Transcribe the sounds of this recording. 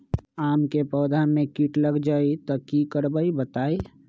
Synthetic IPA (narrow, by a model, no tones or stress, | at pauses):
amkepəːd̪ʱamekiʈləɡd͡ʒait̪ɔkikəɾbəibət̪ai